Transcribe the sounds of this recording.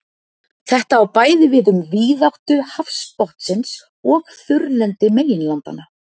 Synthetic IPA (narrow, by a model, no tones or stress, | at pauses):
θɛht̪aːwpaːjðɪvɪðʏmviːðawht̪ʏhafspɔht̪sɪns | ɔɣθʏɾlɛnt̪ɪmeːjɪnlant̪a̰na